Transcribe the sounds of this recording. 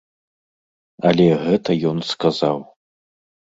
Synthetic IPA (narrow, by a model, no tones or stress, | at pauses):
alʲeɦɨtʰajonskʰazaw